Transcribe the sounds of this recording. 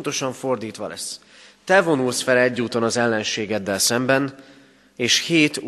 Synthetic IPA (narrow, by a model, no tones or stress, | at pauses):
nt̪o̞ʃɒɱfo̞rd̪iːt̪ʋɒlʔɛ̰s | t̪ɛvo̞nulsfɛlɛɟːuːt̪o̞nɒzɛlːɛnʃeːɡɛd̪ːɛlsɛmbɛn | eːʃheːt̪